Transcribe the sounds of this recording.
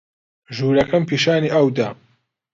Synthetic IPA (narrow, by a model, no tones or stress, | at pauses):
ʒuːɾɐkʰɐmpʰiːʃaːniːʔɐwd̪a